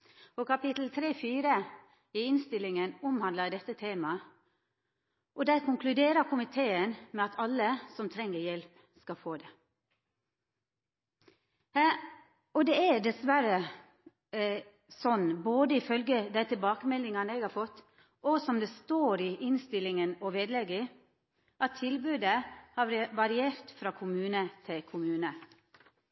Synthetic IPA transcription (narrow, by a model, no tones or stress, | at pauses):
ɔkɑpɪt̪l̩t̪ʰɾeːfiːɾə | ɪɪnst̪ɪlːɪŋənʊmhɑnd̪əd̪ɛt̪ːət̪ʰeːmɑ | ʔɔd̪æɪkʊŋklʉd̪eːɾəɾkʰʊmɪt̪ʰeːənmɛɑt̪ʰɑlːəsɔmt̪ʰɾɛŋːəɾjɛlp | skɑfoːd̪ɛ | ɔd̪ɛæd̪ɛsʋæɾə | sɔnːboːd̪əɪfœlɡəd̪æɪt̪ʰɪlbɑːkəmɛlːɪŋɑnəɛɡhɑːɾfɔt̪ː | ʔɔsɔmd̪ɛst̪oːɾɪʔɪnst̪ɪlɪŋənɔʋeːd̪lɛɡə | ʔɑt̪ʰːɪlbʉːd̪əhɑʋɑɾɪeːɾt̪fɾɑːkʰʊmʉːnət̪ʰɪlkʰʊmʉːnə